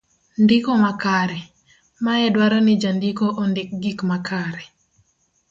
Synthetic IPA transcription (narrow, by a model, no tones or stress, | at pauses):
ndɪkɔmakaɾɛ | maɛdwaɾanɪd͡ʒandikɔʔondɪk̚ɡikmakʰaɾɛ